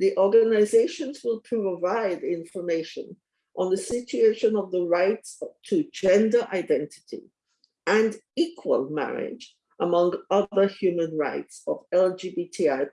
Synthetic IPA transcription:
ðiʔɔɹɡənaɪzeɪʃɨ̃nzwɪlˠpʰɹ̥əvaɪdɪ̃ɱfə˞meɪʃə̰̃n | ʔə̃nðəsɪt͡ʃueɪʃɨ̃nʌvðəɹaɪtstʰɨd͡ʒɛ̃ndə˞ʔaɪdɛ̃ntʰɨ̥tḭ | ɨ̃ndikʰwə̰lˠmæ̰ɹɪ̰d͡ʒ | ʔəmʌ̃ŋʌðə˞hjʉmə̃nɹa̰ɪtsʌvɛlˠd͡ʒibitʰiaɪ

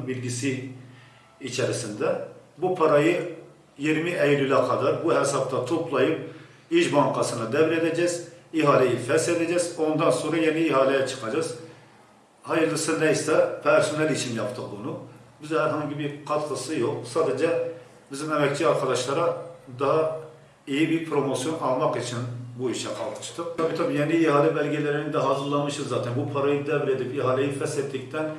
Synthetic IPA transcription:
bilɡʲisɪ | it͡ʃʰɛɾɪsɪnd̪ɛbupʰɑɾɑjɯ | jiɾmɪʔɛjilylɛqʰɑd̪ɑɾbuɦɛsɑb̚t̪ʰɑt̪ʰopʰlˠɑjɨp̚ | iʃbɑŋqʰɑsɨnɨd̪ɛvɾɛd̪ɛd͡ʒɛziɦɑːlɛjifɛɾsed̪ɛd͡ʒɛzond̪ɑnsoɾɑjɛnɪiɦɑːlɛjɛt͡ʃʰɨ̥qʰɑd͡ʒɑz | hɑjɨɾlˠɨsɨnd̪ɛjst̪ɛpʰɛɾsonɛlit͡ʃʰimjɑpt̪ʰɨq̚bunubɪzhæɾɦɑŋɡʲibiqʰɑt̪qɨsɨjoq̚sɑːd̪ɛd͡ʒɛ | bizɪmɛmɛk̚ʲt͡ʃʰiɑɾqʰɑd̪ɑʃlˠɑɾɑd̪ɑɦɑ | ejibiɾpʰɾomosjonɑlˠmɑqit͡ʃʰinbuiʃɛqʰɑ̰lˠd̪ʃt̪ɨq̪ɑbit̪ʰopjɛnɪiɦɑːlɛbɛlɡʲɛlɪɾɪnɪd̪ɛɦɑzɨɾlˠɑmɯʃɯzɑːt̪ʰɛnbupʰɑɾɑj̪d̪ɛbɪɾed̪ɪpiɦɑːlˠejifɛsɛt̪ʰːɪk̚ʲt̪ʰɛn

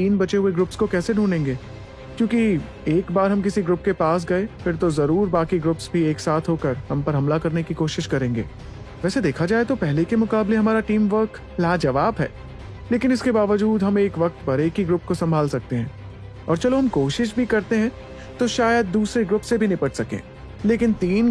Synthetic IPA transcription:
t̪iːnbɐt͡ʃeɦueɡɾʊpskokɛːseɖʱuːnẽːŋɡeː | kjõːki | eːkbaːɾɦɐmkɪsiɡɾʊp̚kepaːs̬ɡɐefɪɾt̪ozɐɾuːɾbaːkiɡɾʊpsbʱieːksaːt̪ʰɦoːkəɾɦɐmpɐɾɦɐmlakɐɾnekikoːʃɪʃkɐɾẽːŋɡḛː | ʋɛːsed̪eːkʰad͡ʒaːet̪opɛɦlekemʊkaːbleɦɐmaːɾaʈiːmʋəɾk | laːd͡ʒɐʋaːbɦɛ̰ː | leːkɪnɪskebaːʋəd͡ʒuːd̪ɦɐmeːkʋɐk̚t̪pɐɾeːkiɡɾʊp̚kosɐ̃mbʱaːlsɐk̚t̪eɦɛ̃ː | ɔːɾt͡ʃɐloɦɐmkoːʃɪʃ̬bʱikɐɾt̪eɦɛ̃ː | t̪oʃaːjəd̪̚ːuːsɾeɡɾʊpsebʱinɐĩpɐʈsɐkḛ̃ː | leːkɪnt̪iːn

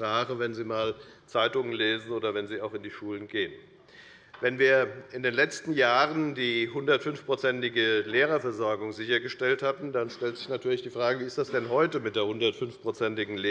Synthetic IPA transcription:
ʁaːχəvɛnziːmaːlt͡saɪtʊŋənleːzn̩oːdɐvɛnziːaʊxɪndiːʃuːlənɡeːən | vɛnviːɐʔɪndeːnlɛt͡stn̩jaːʁəndiːɦʊndɐtfʏnfpʁ̥ot͡sɛntɪɡəleːʁɐfɛɐzɔɐɡʊŋzɪçɐɡəʃtɛlthatn̩danʃtɛltz̥ɪçnatʰyːɐlɪçd̥iːfʁ̥aːɡəviːɪstd̥asd̥ɛnɦɔʏtəmɪt̚d̥eːɐhʊndɐtfʏnfpʁ̥ot͡sɛntɪɡŋ̩le

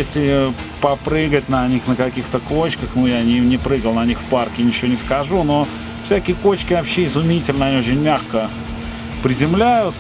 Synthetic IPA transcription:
esʲlʲɪ | pɐpɾɨɡətʲnɐnʲixnəkɐkʲixt̪əkot͡ɕkəxnujanʲɪnʲɪpɾɨɡəlˠnɐnʲixfparkʲɪnʲɪt͡ɕɪvʲonʲɪskɐʐuno̞ | fsʲækʲɪjəkot͡ɕkʲɪvɐpɕːeɪzʊmʲitʲɪlʲnəɐnʲiot͡ɕʲɪnʲmʲaxkə | pɾʲɪzʲɪmlʲæjʊt̪

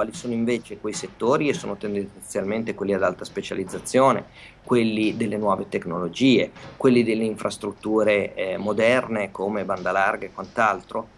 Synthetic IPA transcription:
kwaːlisoːnoiɱveːt͡ʃekwejset̪ːoːɾiesːo̰ːnot̪end̪et̪sjalment̪ekwelːiad̪alt̪aspet͡ʃa̰lid̪zːat̪sːjoːne | kwelːid̪elːenwɔːvet̪eknolod͡ʒiːekwelːid̪elːeiɱfɾʔast̪ɾut̪ːuːɾemod̪ɛrnekomeband̪alarɡekwant̪alt̪ɾo

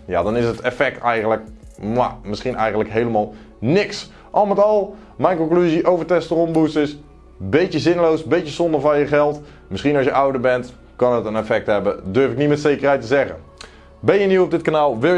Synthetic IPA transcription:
ja̰dɑnɪsətɛfɛk̚tɛjɣənləkma̰mɪsχinɛjχəntləkɦejləmaːlˠ | nɪks | ʔɔlˠmətɔlˠ | mɛjnkɔŋklyziʔowvətɛstərɔmbusəs | betəzɪnlowsbetəsondəvɑnjəχɛlˠt | mɪsχinɑlˠsjəʔawdəɹbɛnt | kɑnətənɛfɛk̚tɦɛbədøɹfɪk̚nimɛtsejkərɛjtəzɛχə̰ | bɛnjəniɔb̚dɪt̚kanaːlˠʋɪ

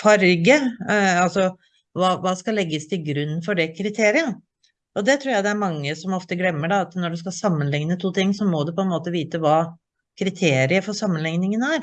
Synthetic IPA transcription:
fɑɾɡəɑlsɔ | ʋɑːʋɑːskɑlɛɡːəst̪ʰɪlɡɾʉnːfɔɖɛkʰɾɪt̪ʰeːɾɪə | ɔd̪ɛt̪ʰɾuːɾjæɪd̪ɛæɾmɑŋːəsɔmɔft̪əɡlɛmːəɖɑɑt̪nɔɖʉskɑsɑmːənlɪŋnət̪ʰuːt̪ʰɪŋːsɔmɔd̪ʉpʰɔɛnmoːt̪əʋiːt̪əʋɑː | kʰɾɪt̪ʰeːɾɪəfɔɾsɑmːənlɪŋnɪŋənæɾ

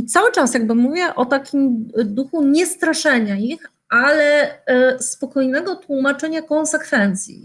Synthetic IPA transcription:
it̪sawɘt͡ʂasjaɡ̚bɘmuvʲjɛʔɔt̪akʲʰimd̪uxuɲɛst̪ɾaʂɛɲaix | ʔalɛspɔkɔjnɛɡɔt̪wumat͡ʂɛɲakɔnsɛkfɛnt̪sʲjḭ

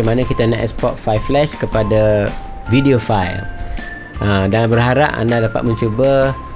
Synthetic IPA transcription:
amanãkit̪anãʔɛspɔt̪̚fajflɛʃkəpada | vidiofajl | ədanbəɾɦaɾa̰ʔa̰ndahdapa̰t̪̚mə̃ɲt͡ʃubə

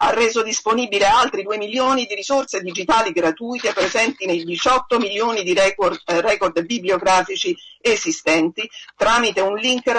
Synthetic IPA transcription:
a̰rːeːzod̪isponibilealt̪ɾid̪uːemiljoːnid̪iɾizorsed̪id͡ʒit̪aːliɡɾat̪uːjt̪eepːɾezɛnt̪inejd̪it͡ʃɔt̪ːomiljoːnid̪irɛkord̪biblioɡɾaːfit͡ʃiezist̪ɛnt̪it̪ɾaːmit̪eunliŋk

